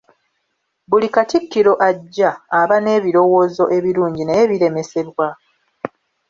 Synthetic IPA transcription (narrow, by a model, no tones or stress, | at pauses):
βulikatikːiɾo̞ʔaɟːaːβane̞ːβiɾo̞wo̞ːzo̞ʔe̞βiɾuːɲɟineβiɾe̞me̞se̞ɾwa